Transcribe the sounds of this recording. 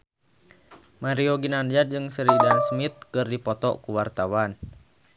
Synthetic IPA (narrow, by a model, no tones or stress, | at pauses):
maɾiɔɡinandd͡ʒad̚d͡ʒɨŋsəɾidansmit̪̚kɨrdipɔt̪ɔ̰kuwart̪awan